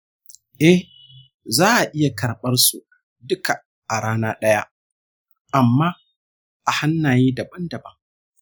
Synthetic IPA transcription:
ʔɛ˦h | zaː˦ʔa˨ʔɪ˦ja˨kɐ˨ɾɓɐ˦rsu˨ | dʊ˦ka˨ | ʔa˨ɽaː˦naː˦ɗɐ˦ja̰˦ | ʔa˨mːaː˦ | ʔa˨ha˦nːaː˨jiː˦dɐ˨bɐ˦ndɐ˨bɐ˦ŋ

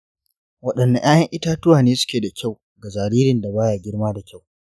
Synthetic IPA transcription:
wɐ˦˨ɗɐ˨nːa˨ʔaː˦jɐ˦ŋʔɪ˦taː˦tʊ˦waː˨neː˦sʊ̥˦kʲeː˨da˨kʲa˦˨w | ɡa˨zaː˨ɾiː˦ɾɪ˨nda˨baː˦jaː˨ɡʲɪ˦ɽmaː˦da˨kʲa˦˨w

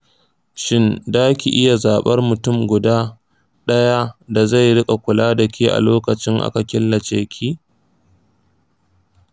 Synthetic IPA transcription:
ʃɪ˦ndaː˦kʲi˨ʔɪ˦ja˨zaː˨ɓɐ˦rmʊ˨tʊ˦˨mɡʷʊ˨daː˦ | ɗɐ˦ja˦da˨za˦˨jɽɪ˦kʼa˨kʷʊ˨laː˦dɐ˨kʲiː˦ʔa̰˨loː˦kɐ˨t͡ʃɪ˦ŋʔa̰˦ka˨kʲɪ˦lːɐ˨t͡ʃeː˦kʲʰiː˦

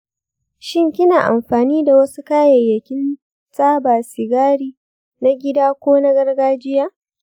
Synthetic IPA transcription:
ʃɪ˦ŋkʲɪ˦naː˨ʔa̰˨mɸaː˨niː˦da˨wɐ˦su˦kaː˦jɐ˨jːɐ˨kʲɪ˦n | saː˦baː˨sɪ˨ɡaː˦ɽiː˦ | na˦ɡʲɪ˦daː˦kʷoː˦na˦ɡɐ˦rɡaː˦d͡ʒɪ˦jaː˦

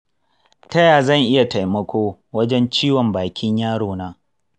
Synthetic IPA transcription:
tɐ˦jaː˨zɐ˦˨ŋʔɪ˦ja˨ta˨jmɐ˦kʷoː˦wɐ˦d͡ʒɛ˦nt͡ʃiː˦wɔ˨mbaː˨kʲʰɪ˦ɲjaː˦ɽoː˨naː˦

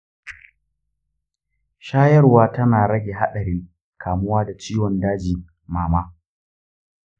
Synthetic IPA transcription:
ʃaː˦jɐ˦rwaː˦tɐ˦naː˨ɽɐ˦ɡʲe˨ɦa̰˦ɗɐ˨ɾiː˦ŋ | kʰaː˨mʊ˦waː˦da˨t͡ʃiː˦wɔ˨ndaː˦d͡ʒiː˨ | maː˨maː˦

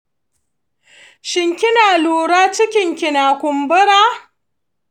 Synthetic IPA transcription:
ʃɪ˦ŋkʲɪ˦naː˨luː˦˨ɽaː˦t͡ʃɪ˦kʲɪ˨ŋkʲɪ˨naː˨kʷʊ˨mbʊ˦ɽaː˦

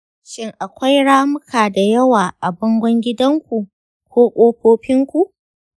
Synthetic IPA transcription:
ʃɪ˦ŋʔa˨kʷa˦jɽaː˦mʊ˦kʰaː˨da˨jɐ˦waː˨ʔa˨bɔ˦ŋɡʷɔ˦ŋɡʲɪ˦dɐ˦ŋkʷu˨ | kʷoː˦kʷʼoː˦kʷoː˦ɸɪ˦ŋkʷu˨ʔ

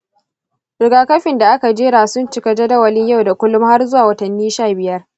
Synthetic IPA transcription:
ɾɪ˨ɡaː˨kɐ˦ɸɪ˨nda˨ʔa˦ka˨d͡ʒeː˦ɽaː˨sʊ˦nt͡ʃɪ˦kɐ˨d͡ʒa˦da˨wɐ˦lɪ˦ɲja˦wda˨kʷʊ˦lʊ˦mha˦rzʊ˦waː˨wɐ˦tɐ˨nːiː˦ʃaː˦˨bɪ˨jɐ˦r

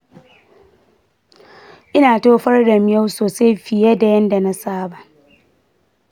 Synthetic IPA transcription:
ʔɪ˦naː˨toː˦ɸɐ˦rda˨mɪ˨˦ja˦wsoː˨sa˦jɸɪ˨jɛ˦da˨jɐ˦nda˨na˦saː˦ba˨

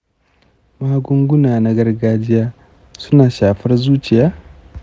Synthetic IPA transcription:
maː˦ɡʊ˦ŋɡʷʊ˦naː˨na˦ɡɐ˦rɡaː˦d͡ʒɪ˦jaː˦ | sʊ˦naː˨ʃaː˨ɸɐ˦rzuː˦t͡ʃɪ˨jaː˦

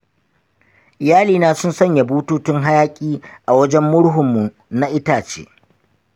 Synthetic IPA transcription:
ɪ˨jaː˦liː˨naː˦sʊ˦nsɐ˦ɲja˨buː˦tuː˦tɪ˦ŋɦa˦jaː˦kʲʼiː˦ʔa˨wɐ˦d͡ʒɛ˦mːʊ˦ɽɦʊ˨mːu˨ | na˦ʔɪ˦taː˨t͡ʃḛː˦ʔ

